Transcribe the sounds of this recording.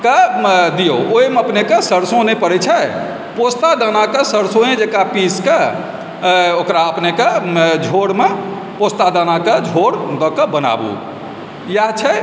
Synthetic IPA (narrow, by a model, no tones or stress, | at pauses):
kad̪ijooimeəpnekəsəɾsonepəɾɛt͡ʃʰɛ | post̪ad̪ənakəsəɾsõẽd͡ʒekapiskə | okɾaəpnekəd͡ʒʱoɽme | post̪ad̪anakəd͡ʒʱoɽd̪ɔkəbəna̰bṵ | jaɦt͡ʃʰɛ